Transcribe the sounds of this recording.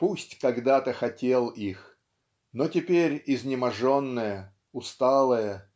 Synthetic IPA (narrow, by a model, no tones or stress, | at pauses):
pusʲtʲkɐɡd̪at̪əxɐtʲelˠix | notʲɪpʲeɾʲɪzʲnʲɪmɐʐonːəjə | ʊst̪alˠəjə